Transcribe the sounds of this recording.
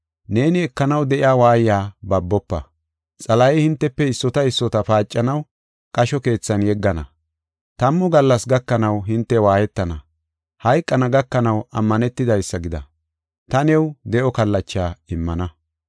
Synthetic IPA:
ne̞ːnɪɛkːɐnɐwd̪ɛʔɪaːwaːjjaːbɐbːɔpːɐ | t͡sʼɐlɐjɛhɪnt̪ːɛpːɛɪsːɔt̪ɐɪsːɔt̪ɐpaːt͡ʃʼːɐnɐw | kʼɐʃɔke̞ːt͡sːɐnjɛɡːɐnɐ̰ | t̪ɐmːɔɡɐlːɐsɡɐkːɐnɐwɦɪnt̪ːɛwaːjɛt̪ːɐnɐ | hɐjkʼːɐnɐɡɐkːɐnɐwɐmːɐnɛt̪ːɪd̪ɐjsːɐɡɪd̪ɐ̰ | t̪ɐnɛwd̪ɛʔɔkɐlːɐt͡ʃːaːɪmːɐnɐ

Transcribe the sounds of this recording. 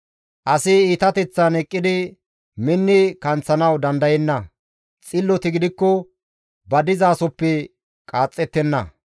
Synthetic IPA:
ʔɐsɪiːt̪ɐt̪ɛt͡sːɐnɛkʼːɪd̪ɪ | mɪnːɪkɐnt͡sːɐnɐwd̪ɐnd̪ɐjɛnːɐ | t͡sʼɪlːɔt̪ɪɡɪd̪ɪkːɔ | bɐd̪ɪzaːsɔpːɛ | kʼaːt͡sʼːɛt̪ːɛnːɐ

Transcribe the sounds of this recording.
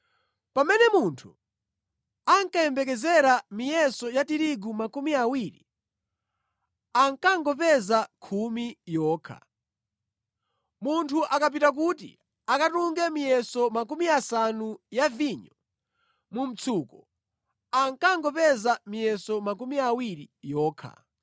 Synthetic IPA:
pamɛnɛmuntʰu | aŋkajɛmbɛkɛzɛɾamijɛsɔjatiɾiɡumakumiawiɾḭ | aŋkaŋɡɔp̬ɛzakʰumijɔːkʰa̰ | muntʰuʔakap̬itak̬ut̬ḭ | akatuŋɡɛmijɛsɔmak̬umiasanujaviɲɔ | mum̩t͡sʰukɔ | aŋkaŋɡɔpɛzamijɛsɔmak̬umiawiɾijɔːkʰa̰

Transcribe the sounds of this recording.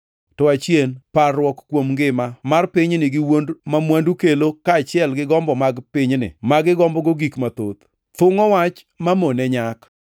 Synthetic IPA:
tɔat͡ʃjenparwɔkkːwomŋɡɪmamarpɪɲnɪɡɪwondmamwandukelokat͡ʃɪɛlɡɪɡɔmbɔmaɡpɪɲnɪ̰maɡɪɡɔmbɔɡoɡikmat̪ot̪ | t̪ʊŋɔwat͡ʃ | mamonɛɲak

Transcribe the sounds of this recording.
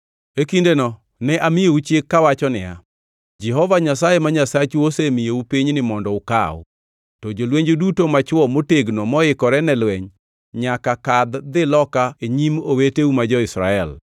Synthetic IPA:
ekindenɔ | nɛʔamɪjout͡ʃekːawat͡ʃɔnɪa̰ | d͡ʒɛɦɔvaɲasajemaɲasat͡ʃuosemɪjoupiɲnɪmɔndɔʊka̰ʊ̰ | tɔd͡ʒolweɲd͡ʒodutomat͡ʃwɔmoteɡnomɔɪkɔɾɛnɛlwɛɲ | ɲakakad̪d̪ɪlɔkaeɲimoweteumad͡ʒɔɪsɾaɛl

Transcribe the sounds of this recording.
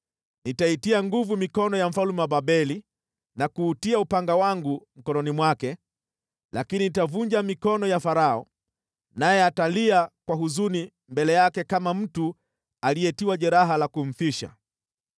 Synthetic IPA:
nitaitiaŋɡuvumikɔnɔjam̩falumɛwabaɓɛli | nakuːtiaupaŋɡawaŋɡum̩kɔnɔnimwakɛ | lakininitavuɲd͡ʒamikɔnɔjafaɾaɔ | najɛataliakwaɦuzuni | mbɛlɛjakɛkamam̩tu | alijɛtiwaʄɛɾaɦalakum̩θiʃa̰

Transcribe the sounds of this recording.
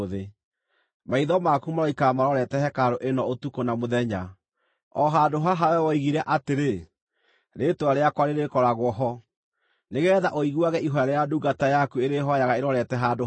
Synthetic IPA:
ðe | maiðɔmakumaɾɔikamaɾɔɾɛtɛhɛkaɾoʔenɔotukonamoðɛɲa | ɔɦadoɦaɦawɛwɔiɣiɾɛʔateɾe | ɾetwaɾeakwaɾeɾekɔɾaɣwɔɦɔ | neɣeɛðaʔoiɣwaɣɛʔiɦɔaɾejaduɡatajakueɾeɦɔjaɣaeɾɔɾɛtɛɦaːdo

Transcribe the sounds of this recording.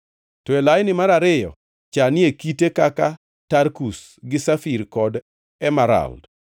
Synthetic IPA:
tɔelajnɪmaɾaɾɪjɔ̰ | t͡ʃanɪekitekaka | tarkus | ɡɪsafiɾkɔd | ɛmaɾa̰ld

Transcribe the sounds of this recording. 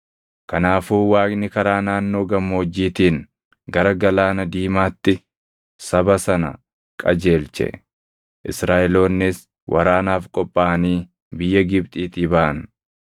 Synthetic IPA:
kɐnaːfuːwaːkʼnɪkɐɾaːnaːnːo̞ːɡɐmːoːd͡ʒːiːt̪iːn | ɡɐɾɐɡɐlaːnɐd̪iːmaːt̪ːɪ | sɐbɐsɐnɐ̰ | kʼɐd͡ʒeːlt͡ʃɛ̰ | ʔɪsɾaːʔɛlo̞ːnːɪs | wʔɐ̰ɾaːnaːfkʼɔpʼːaːʔɐniː | bɪjːɐɡɪb̚t̪ʼiːt̪ɪbɐʔɐn

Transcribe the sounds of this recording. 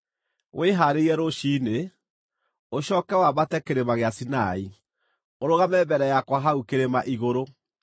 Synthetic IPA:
wʔeɦaɾeiɛɾoʃiːne | oɕɔːkɛwaβatɛkeɾemaɣeasinai | oɾoɣamɛbɛɾɛjakwaɦaukeɾemaʔiɣoɾo

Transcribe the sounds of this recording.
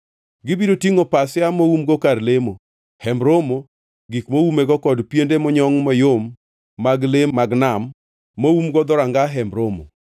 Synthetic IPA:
ɡɪbidotiŋopasɪamoumɡokaɾlemo | hɛmbɾomo | ɡikmoumeɡɔkɔdpjendemɔɲɔŋmɔjomː | aɡlemaɡnamː | oumɡɔd̪ɔɾaŋɡaɦɛmɾomo̰

